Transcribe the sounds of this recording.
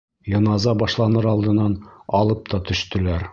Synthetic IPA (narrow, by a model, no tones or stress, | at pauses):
jɤ̆nɑzɑbɒʃlˠɑnɤɾɒlˠd̪ɤ̆nːɑnɒlˠɤp̚t̪ʰɒt̪ɵ̆ʃt̪ɘ̆læɾ